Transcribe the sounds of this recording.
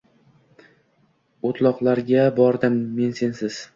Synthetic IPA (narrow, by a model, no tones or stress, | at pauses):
ot̪ʰlˠɒqlˠaɾɡʲabɒɾd̪ɪmːe̞nse̞nsɪz̥